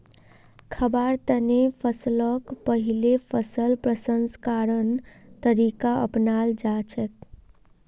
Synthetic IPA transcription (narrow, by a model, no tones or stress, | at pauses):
kʰəbaɾt̪ənepʰəsləkpəɦilepʰəsəlpɾəsənskaɾən | t̪əɾikaə̰pnald͡ʒat͡ʃʰɛk̚